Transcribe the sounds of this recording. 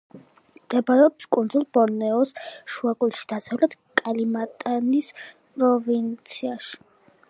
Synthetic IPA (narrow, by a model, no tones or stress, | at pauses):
md̪̥ɛbaɾɛɔpskʼund̪zulˠbɔɾnɛɔsʃuaɡʼulˠʃi̥d̪̥asavlɛt̪ | kʼalimat̪ʼanis | pʼɾɔvint̪sʰiaʃi̥